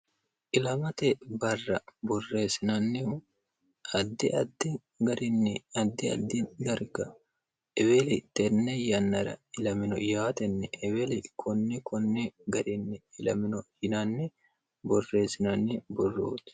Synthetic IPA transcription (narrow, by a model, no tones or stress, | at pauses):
ʔɪlɐmɐt̪ɛbɐrːɐbɔrːe̞ːsɪnɐnːɪʊ | ɐd̪ːɪɐd̪ːɪ | ɡɐɾɪnːɛɐd̪ːɪɐ̰d̪ːɪd̪ɐɾɡɐ | ɛwelɪt̪ɛnːɛjɐnːɐɾɐ̰ɪlɐmɪnɔjaːt̪ɛnːɛʔɛwɛlɪkʰɔnːɛkɔnːɛɡɐɾɪnːɛɪlɐ̰mɪnɔhɪnɐnːɛ | bɔrːe̞ːsɪnɐnːɛbɔrːo̰ːt̪